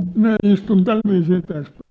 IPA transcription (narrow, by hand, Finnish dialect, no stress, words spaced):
minæ istun tælʋiːsiː tæs